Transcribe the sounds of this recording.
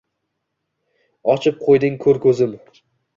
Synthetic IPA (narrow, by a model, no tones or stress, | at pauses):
ɒt͡ʃʰɪp̚qʰojd̪ɪŋkʰɵɾkʰʲɵzɪm